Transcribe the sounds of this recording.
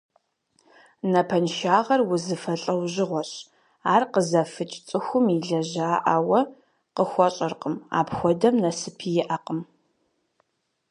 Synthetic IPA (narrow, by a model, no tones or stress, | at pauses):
nɐpʰɐnʃaːʁɐrwʊzɨfɐɬʼɐwʑɪʁʷɔɕ | aːrqəzɐfɨt͡ʃʼt͡sʼɨxʷʊmiɮɐʑaːʔawɐ | qəxʷɔɕʼɐrqəma̰ːpxʷɔdɐmnɐsɨpʰijɪʔɐqəm